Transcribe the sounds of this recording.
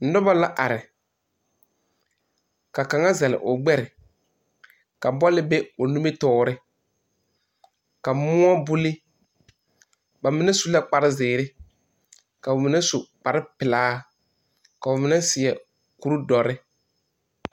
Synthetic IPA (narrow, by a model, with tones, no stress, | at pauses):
n̩˦dʊ˦ba˦la˦ʔa˨ɾɪ˨ | ka˨ka˨ŋa˦zɛ˨lɪ̰˨ʔʊ˨ɡ͡bɛ˦ɾɪ˨ | ka˨bɔ˦lɪ˦be˦ʊ˨nu˦me˦tɔː˦˨ɾɪ˦ | ka˨mʊ˦ɔ˦bʊ˦lɪ˦ | ba˨mɪ˦nɛ˦su˨la˦k͡pa˨ɾɪ˦zɪː˨ɾɪ˦ | ka˨ʊ˨mɪ˨˦nɛ˦su˨k͡pa˨ɾɪ˦pɪ˨laː˦ | ka˨ʊ˨mɪ˨˦nɛ˦sɪ˨ɛ˨ | ku˦ɾu˦dɔ˨ɾɪ˦